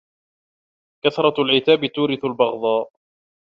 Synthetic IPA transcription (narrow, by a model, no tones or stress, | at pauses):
kaθɾˤɑlʕɪt̪aːbɪt̪uːɾɪθalbɑɣd̪ˤɑː